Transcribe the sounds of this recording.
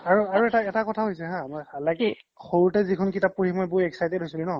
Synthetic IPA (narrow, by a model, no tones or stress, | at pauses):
aɹuaɹuɛtaɛtakɔtʰaɦojsɛɦãmɔjalaɡi | xoɹuɹtɛzikʰʊnkitap̚ːuɹimojbʊɛksajdɛtɦojsulinɔ